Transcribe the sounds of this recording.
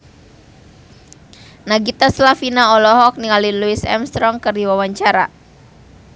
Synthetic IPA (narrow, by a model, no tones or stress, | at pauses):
naɡit̪aslafinaɔlɔɦɔk̚niŋaliluisɛ̰mst̪ɾɔŋkɨrdiwawaɲt͡ʃaɾa̰